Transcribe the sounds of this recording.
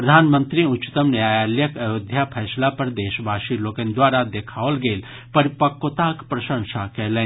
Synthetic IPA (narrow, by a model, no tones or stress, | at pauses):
pɾɐd̪ʱaːnmənt̪ɾiʊt͡ʃːt̪əmnaːjaljəkəjoːd̪ʱjapʰɛːslapɐɾd̪eːʃbʱaːʃilokənd̪ʋaːɾad̪ekʰaːʋəlɡeːl | pəɾipəkːot̪akpɾɐʃə̃ŋʃakɛːlẽːn